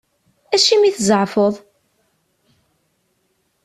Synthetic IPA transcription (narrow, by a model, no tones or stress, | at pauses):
æʃimiθzˤʕfoðˤ